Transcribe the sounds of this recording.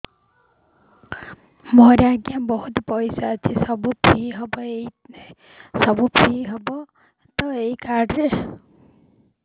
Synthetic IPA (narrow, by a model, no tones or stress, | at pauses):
mɔɾaɡjabɔɦut̪pɔjsaːt͡ʃʰisɔbupʰiɦɔbɔei | sɔbupʰɾiɦɔbɔ | t̪ɔeikaɖɾe